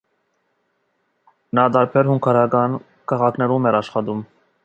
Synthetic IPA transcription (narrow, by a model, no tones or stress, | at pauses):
nɑd̪ɑɾpʰɛɾhuŋkʰɑɾɑkɑn | kʰɑʁɑkʰnɛɾumɛɾɑʃχɑd̪um